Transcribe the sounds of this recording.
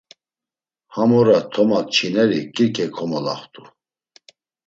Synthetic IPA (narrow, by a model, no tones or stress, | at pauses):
hamɔɾat̪ʰɔmat̚t͡ʃʰinɛɾikʼiɾkʰɛkʰɔmɔla̰χt̪ʼu